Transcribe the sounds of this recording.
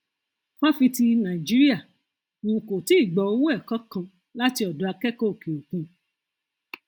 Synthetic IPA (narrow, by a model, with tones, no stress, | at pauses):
pɔ˦fi˧ti˧nã˨i˨d͡ʒi˦ɾi˦a˦˨ | ũ˨ũ˧˨ko˨ti˦i˦˨ɡ͡bɔ˧˦o˧˦wu˦ɛ˦˨kɔ˦kã˧ | la˦ti˧ɔ˨dɔ˨˦a˧kɛ˦ko˦o˨ke˨o˨kũ˧